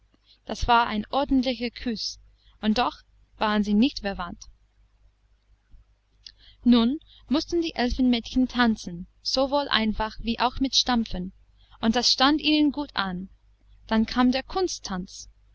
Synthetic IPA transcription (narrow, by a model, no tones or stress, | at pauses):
d̥asv̥aːɐʔa̰ɪnʔɔɐdn̩tlɪçɐkʰys | ʊnt̚d̥ɔx | v̥aːʁənziːnɪçtfɛɐvant | nuːn | mʊstn̩diːʔɛlfən̩mɛːtçən̩tʰant͡sn̩z̥ovoːlʔa̰ɪ̃nfaxviːʔaʊxmɪtʃtamfən | ʔʊntd̥asʃtantiːnənɡuːtʔan | d̥ankʰaːmdeːɐkʰʊnstʰːant͡s